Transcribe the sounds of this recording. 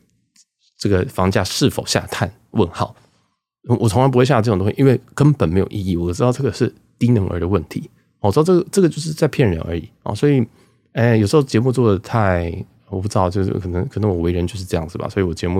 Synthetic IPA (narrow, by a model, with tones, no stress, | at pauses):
ʈ͡ʂɤ˥˩ɡə˩fɑ˧˥ŋt͡ɕja˥˧ʂɻ̩˥˩fo˨˩ʊɕja̰˧t̪ʰa˥˧n | wə˥˧nxɑ˥˩ʊ˨˩ | wʔɔ˨˩t͡sʰʊ˧˥ŋa˧˥np̬we˥˧ɕja˥˧˥tõ˥ŋɕi˥˧i˥nwe˥˩ɪkə˥npə˨nme˧˥jo̰˨˩ʔḭ˥˧i˥˩wɔ˨˩ʈ͡ʂɻ̩˥t̪ɑ˥˧ʊʈ͡ʂɤ˥˩ɡə˩ʂɻ̩˥˩ | t̪i˥nɤ˧˥ŋʔə̰˧˥d̪ə˧wə˥˩nt̪ʰḭ˧˥˦ | ɔ˨˩˧ɑ˥˧˩ʈ͡ʂɤ˥˩ɡə˩ʈ͡ʂɤ˥˩ɡə˩t͡ɕjʊʂɻ̩˥˧t͡sa˥˧ɪpʰjɛ˥˩nɻə̰˧˥nʔə̰˞˧˥ḭ˨˩˦swɔ˧˥i˨˩ | ɛ˥˩jʊʂɻ̩˧˥xo˥˩ʊt͡ɕjɛ˧˥mu˥˧t͡swɔ˥˩d̪ə˩t̪ʰa˥˧ɪ˩ | wɔ˩p̬u˥˩ɻ̩˥ɑ˥˧˩t͡ɕjo̰˥˧˥kʰɤ˨˩nə˧˥ŋkʰɤ˨˩ɤ˧˥ŋwɔ˨˩we˧ɪɻə˧˥nt͡ɕo˥˧ʊʂ̬ɻ̩˧ɤ˧jɑ˥˩ŋd͡zɹ̩˩bɐ̰˨˩swɔ˧˥i˧˨wɔ˨˩t͡ɕjɛ˧˥mu˥˩